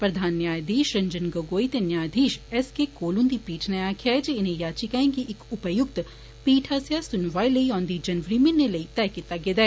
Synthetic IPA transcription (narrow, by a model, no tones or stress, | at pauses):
pɾɐd̪ʱaːnːjaːjd̪ʱiːʃɾɐ̃ɲd͡ʒənɡɐɡoːit̪enjaːjd̪ʱiːʃɛskekoːlũnd̪ipiːʈʰnɐaːkʰad͡ʒeɪnẽjaːt͡ʃikaẽŋkiʔɪkʊpəjʊk̚t̪ | piːʈʰaːsjasʊnʋaːiləiɔ̃ːnd̪id͡ʒɐnʋəɾimẽnːeləit̪ɛːkɪt̪ːaɡeːd̪ɛː